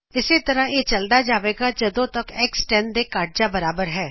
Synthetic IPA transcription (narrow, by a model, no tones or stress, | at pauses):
ɪseːt̪əɾãːeːt͡ʃəld̪aːd͡ʒaːʋeːɡaːd͡ʒəd̪õːt̪əkɛːksʈɛːnd̪eːkaːʈ̚d͡ʒaːbəɾaːbəɾɦɛː